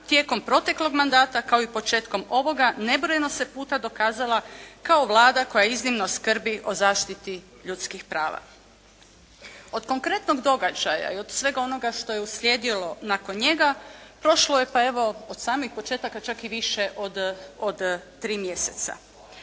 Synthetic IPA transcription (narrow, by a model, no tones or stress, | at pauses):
t̪je̞ːko̞mpɾo̞t̪e̞klˠo̞ɡmand̪aːt̪akao̞ipo̞t͡ʃe̞ːt̪ko̞mo̞ʋo̞ɡane̞bɾo̞jeno̞sepuːt̪ad̪o̞kaːzalˠakaoʋlˠaːd̪ako̞jaiznimnoskr̩biʔo̞zaːʃt̪it̪i | ʎut̪skixpɾaːʋa̰ | o̞d̪ko̞ŋkɾe̞t̪noɡd̪o̞ɡad͡ʒaja̰io̞d̪̥sʋe̞ɡao̞no̞ɡaʃt̪o̞jeusʎʲjeːd̪ilo̞nako̞nɲe̞ɡapɾo̞ʃloje̞pae̞ʋo̞od̪̥saːmixpo̞t͡ʃe̞ːt̪akat͡ʃakiʋiʃeʔod̪od̪t̪ɾiːmjese̞t̪sa̰